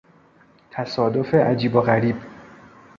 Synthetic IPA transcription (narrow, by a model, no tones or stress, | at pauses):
t̪ʰæsɒːd̪o̞feʔæd͡ʒiːboɣæɾiːb